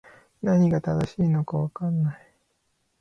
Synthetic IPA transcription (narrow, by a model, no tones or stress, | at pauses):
naɲ̟iɡat̪ad̪aɕiːno̞kaβakanːai